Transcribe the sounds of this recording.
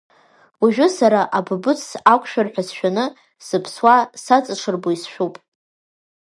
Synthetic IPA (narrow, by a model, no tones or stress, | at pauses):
waʒᶣʊsaɾaʔabɨbɨt͡sʰakʷʰʼʃᶣarħʷᶣasʃᶣanɨ | sɨpʰswasat͡sʼɨʈ͡ʂʰɨrboisʃᶣupʼ